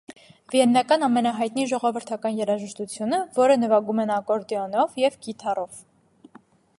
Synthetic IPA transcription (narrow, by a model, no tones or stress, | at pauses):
viɛnːɑkɑnɑmɛnɑɦɑjt̪niʒɔʁɔvəɾt̪ʰɑkɑnjɛɾɑʒəʃt̪ut͡sʰjunəvɔɾənəvɑɡumɛnɑkɔɾd̪iɔnɔvjɛvɡit̪ʰɑrɔv̥